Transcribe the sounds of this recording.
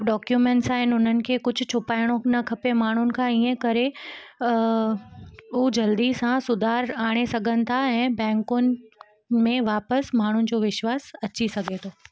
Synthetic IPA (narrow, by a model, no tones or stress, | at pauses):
ɖɔːkjumẽːɳʈsaːɦɪnɪʊn̤ənɪ̆kʰeːkʊd͡ʑʱʊt͡ɕʰʊpaːɪɽ̃õnɐkʰɐpemaːɳ̤ʊnɪ̆kʰãiẽkɐɾe | ʊd͡ʑɐld̪isãsʊd̪ʱaːɾaːɽ̃esɐɡʱənɪ̆t̪ʰaɛ̃ːbɛ̃ːŋkʊnɪ̆ | mẽʋaːpəsmaːɳ̤ʊnɪ̆d͡ʑoːʋɪʃwaːsɐt͡ɕisɐɡʱet̪ʰoː